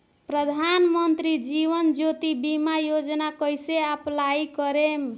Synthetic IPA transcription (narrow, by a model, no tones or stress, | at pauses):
pɾəd̪ʱanmənt̪ɾid͡ʒiβənd͡ʒot̪ibimajod͡ʒnakʌjseaplajkʌɾem